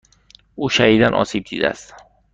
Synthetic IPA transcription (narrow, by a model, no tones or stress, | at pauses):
uːʃæhiːd̪ænʔɒ̰ːsib̚d̪ḭːd̪æ̰æ̰st̪